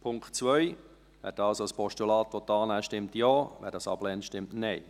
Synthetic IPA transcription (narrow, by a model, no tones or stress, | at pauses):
pʰʊŋktt͡sʋœʏ | ʋɛ̰ːɾdɑlsoəspɔʃtulɑːt̪ʋɔt̪ːɑːnæːʃtɪmt̪joːʋæ̰ːɾdɑsɑb̥lɛntʃtɪmtnɛɪ